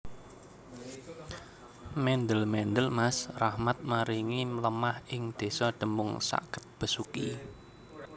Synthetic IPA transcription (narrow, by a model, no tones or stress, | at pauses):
mɛnd̪əlmɛnd̪əlmasrahmat̪̚maɾiŋimələmahɪŋd̪̥e̤sɔɖ̪̥ə̤mʊŋsa̰kə̥t̪̚b̥ə̤suki